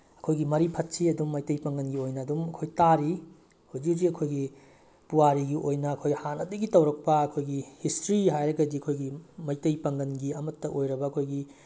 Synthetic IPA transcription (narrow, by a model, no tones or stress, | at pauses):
ɐkʰojɡimɐɾipʰɐt̚siɐdumːɐjtɐjpɐŋɡɐnɡiojnɐːdumɐkʰojtaɾi | hud͡ʒiziɐkʰojɡi | puwaɾiɡiʔojnɐːkʰojhanɐdɐɡitɐwɾɐk̚pɐɐkʰojɡihistɾiɦajɾɐɡɐdiɐkʰojɡimɐjtɐjpɐŋɡɐnɡiɐmɐtːɐʔojɾɐbɐɐkʰojɡi